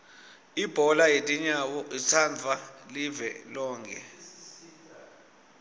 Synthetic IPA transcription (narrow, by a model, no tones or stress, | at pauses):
ib̥ʱɔlajetʼiɲawɔʔit͡sʰand͡zʱalivɛlɔːŋkʰʼɛ̰